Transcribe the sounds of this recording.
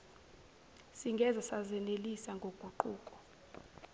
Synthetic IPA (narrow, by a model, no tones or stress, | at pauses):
siŋɡʱɛzasazɛnelisaŋɡʱoɡ̥ʱuǃuːkʼɔ̥